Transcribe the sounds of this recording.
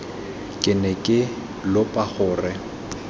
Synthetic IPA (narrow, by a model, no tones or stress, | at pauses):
kʼɪnɛkʼɪ | lʊpʼaχʊːrɪ